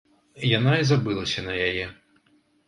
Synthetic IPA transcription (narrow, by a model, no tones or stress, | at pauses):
janaizabɨlˠɐsʲɐnɐjajɛ